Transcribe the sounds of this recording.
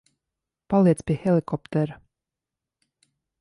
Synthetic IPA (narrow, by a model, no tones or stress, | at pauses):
palˠiɛt̪spʲiɛxɛlˠikɔpt̪ɛɾ